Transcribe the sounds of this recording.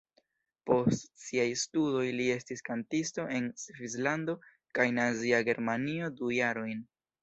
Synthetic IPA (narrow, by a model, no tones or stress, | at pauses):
po̞stsiajstudo̞jlie̞stiskantisto̞ʔe̞nsvizlando̞ | kajnaziaɡe̞ɾmanio̞dujaɾo̞jn